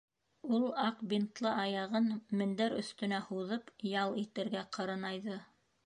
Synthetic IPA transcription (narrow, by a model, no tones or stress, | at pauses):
ulˠɑqbint̪lˠɤʔɑjɑʁɤnmɘ̆nd̪æɾɵ̆θt̪ɵ̆næhuðɤpjɑlˠit̪ɘ̆ɾɡæqʰɤ̆ɾɤ̆nɑjðɤ